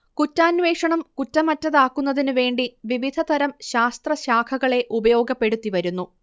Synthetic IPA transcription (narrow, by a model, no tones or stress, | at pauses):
kutːaːnʋe̞ːʂɐɳɐmkutːɐmɐtːɐðaːkːunːɐðinɨʋe̞ːɳɖiʋiʋid̪ʱɐt̪ɐɾɐmɕaːst̪rɐɕaːkʰɐɣɐɭe̞ʔubɐjo̞ːɡɐpːe̞ɽut̪ːiʋɐɾunːu